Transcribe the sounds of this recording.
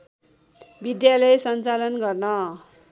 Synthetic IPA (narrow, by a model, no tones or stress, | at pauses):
bid̪jalʌjsʌnt͡salʌnɡʌrnʌ